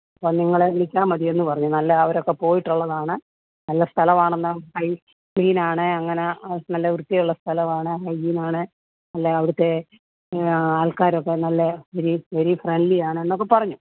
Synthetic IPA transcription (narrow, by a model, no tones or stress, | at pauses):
ɐpːoːniŋːɐɭeiɭikʲːaːmɐðie̞nːɨpɐrɐɲːunɐlːɐɐʋɐɾo̞kːe̞po̞ːjiʈːuɭːɐðaːɳɨ | nɐlːɐst̪ʰɐlɐʋaːɳenːahɐj | ɡiːnaːɳɨɐŋːɐnenɐlːɐʋrut̪ːijɐjuɭːɐst̪ʰɐlɐʋaːɳɨɦɐjɡiːnaːɳɨ | nɐlːɐɐʋiɾut̪ːe̞ | aːlkaːɾokːe̞nɐlːɐʋɐɾiʋɐɾifreɳɖlijaːɳɨe̞nːokːe̞pɐrɐɲːu